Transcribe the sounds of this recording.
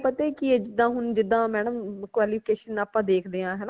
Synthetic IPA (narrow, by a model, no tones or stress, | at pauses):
pət̪eːkɪeːd͡ʒɪd̪ãːɦʊnd͡ʒɪd̪ːãːmɛːɽəmkʋaːliːpʰɪkeːʃənaːpːãːd̪eːkʰd̪eːãːɦɛːnã